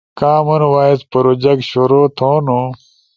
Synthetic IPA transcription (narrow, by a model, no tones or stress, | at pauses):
kaːmunwaːispɐɾod͡ʑɐkɕuɾot̪ʰoːnu